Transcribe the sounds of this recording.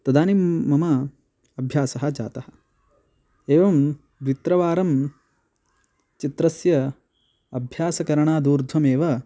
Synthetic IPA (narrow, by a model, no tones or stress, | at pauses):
t̪ɐd̪aːnimːɐmɐ | ɐbʱjaːsɐɦɐ̆d͡ʒa̰ːt̪ɐhɐ̥̆ | eːʋɐm | d̪ʋit̪ɾɐʋaːɾɐm | t͡ʃit̪ɾɐsjɐ | ɐbʱjaːsɐkɐɾɐɳaːd̪uːɾd̪ʱʋɐmeːʋɐ